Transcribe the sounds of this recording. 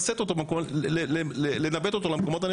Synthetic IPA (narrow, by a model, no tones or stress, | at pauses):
set̪ot̪obkoleelenabet̪ot̪olemkomot̪̬an